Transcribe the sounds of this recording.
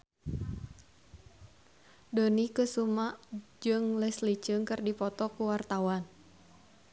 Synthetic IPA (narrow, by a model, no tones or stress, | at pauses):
donikəsumaʔd͡ʒɨŋlɛslit͡ʃɨŋkɨrdipɔt̪ɔkuwart̪awan